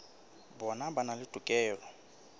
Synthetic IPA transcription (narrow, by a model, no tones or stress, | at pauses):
bɔnabanalɪd̥ʼʱukʼɛːlɔ